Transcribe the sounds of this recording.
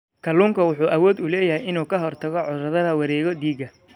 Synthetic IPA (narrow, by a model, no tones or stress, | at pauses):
kʰɐluːŋkʰɐwʊħuːʔɐwɔːd̪ʊlɛːjɐhɛjɪnuːkʰɐɦɔrt̪ʰɐɣɔʕʊðrɐðɐðɐwɑɾɛːɣɔd̪iːɡɐ